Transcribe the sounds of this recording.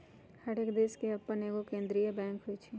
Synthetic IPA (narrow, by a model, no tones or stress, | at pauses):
hɐɽekd̪eːskeɐpːəneɡokẽːnd̪ɾijebɛ̃ːŋkɦoit͡ʃʰi